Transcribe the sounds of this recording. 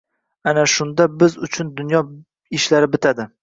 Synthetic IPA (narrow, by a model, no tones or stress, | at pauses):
anaʃʊnd̪abɪzʊt͡ʃʰʊnd̪ʊnjɒ | ɪʃlaɾɪbɪt̪ʰad̪ɪ